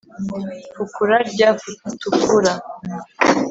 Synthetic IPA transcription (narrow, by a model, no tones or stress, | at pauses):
fukuɾaɾɟafutukuɾa